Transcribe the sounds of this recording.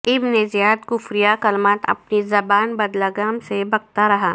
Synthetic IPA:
ɪbnezjaːd̪kʊfɾijakɐlmaːt̪ɐ̰pnizɐbaːnbɐd̪laɡaːmsebɐɡ̚t̪aɾɐɦaː

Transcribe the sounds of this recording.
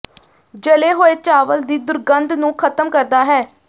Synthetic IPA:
d͡ʒəleːɦoːeːt͡ʃaːʋəld̪iːd̪ʊɾɡənd̪nũːkʰət̪əmkəɾd̪aːɦɛː

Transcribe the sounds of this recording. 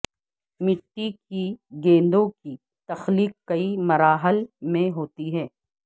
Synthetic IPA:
mɪʈ̪ːikiɡẽːnd̪õki | t̪ɐxliːkkːɐimɐɾaːɦəlmẽɦoːt̪iɦɛː

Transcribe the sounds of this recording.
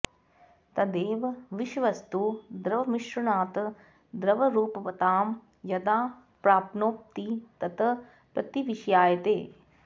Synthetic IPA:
t̪ɐd̪eːʋɐʋiʃʋɐst̪ud̪ɾɐʋɐmiʃɾɐɳaːt̪ | d̪ɾɐʋɐɾuːpɐʋɐt̪aːm | jɐd̪aː | pɾaːpnoːp̚t̪it̪ɐt̪ɐ | pɾɐt̪iʋiʃjaːjɐt̪eː

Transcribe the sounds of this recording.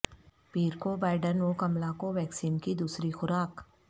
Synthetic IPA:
piːɾkobaːɪɖənokɐmlakoʋɛːksiːnkid̪uːsɾixʊɾaːk

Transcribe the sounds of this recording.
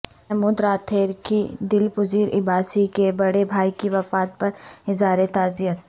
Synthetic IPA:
ɛɦmuːd̪ɾaːt̪ʰeːɾkid̪ɪlpʊziːɾʔɪ̰baːsikebɐɽebʱaːikiʋɐfaːt̪̚pɐɾɪzaːɾet̪aːzijət̪

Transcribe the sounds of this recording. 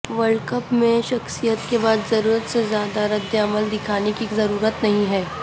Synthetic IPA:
ʋəɭkəpmẽʃɐxsijət̪kebaːd̪zɐɾuːɾət̪sezjaːd̪aɾɐd̪jəɐməld̪ɪkʰaːnekizɐɾuːɾət̪nɐɦĩɦɛː

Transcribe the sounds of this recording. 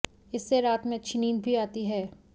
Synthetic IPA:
ɪsːeɾaːt̪mẽt͡ʃʰɪniːnbʱiaːt̪iɦɛː

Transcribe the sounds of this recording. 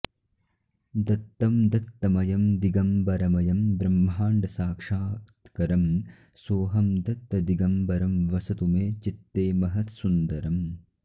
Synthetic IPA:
d̪ɐt̪ːɐmd̪ɐt̪ːɐmɐjɐmd̪iɡɐmbɐɾɐmɐjɐmbɾɐmːɦaːɳɖɐsaːkʂaːtt̪kɐɾɐm | soːɦɐmd̪ɐt̪ːɐd̪iɡɐmbɐɾɐmʋɐsɐt̪umeːt͡ʃit̪ːeːmɐɦɐt̪sund̪ɐɾɐm

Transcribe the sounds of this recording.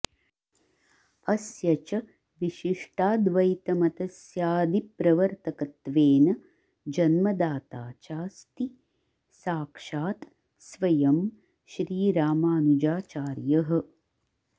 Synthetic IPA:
ɐsjɐt͡ʃɐ | ʋiʃiʂʈaːd̪ʋɐjt̪ɐmɐt̪ɐsjaːd̪ipɾɐʋɐɾt̪ɐkɐt̪ʋeːnɐ | d͡ʒɐnmɐd̪aːt̪aːt͡ʃaːst̪i | saːkʂaːt̪ | sʋɐjɐm | ʃɾiːɾaːmaːnud͡ʒaːt͡ʃaːɾjɐɦɐ̆

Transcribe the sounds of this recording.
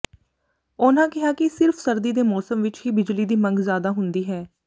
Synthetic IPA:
ʊnãːkɪɦaːkɪsɪɾfʰsəɾd̪iːd̪eːmɔːsəmʋɪt͡ʃɦiːbɪd͡ʒliːd̪iːməŋɡzjaːd̪aːɦʊnd̪iːɦɛː

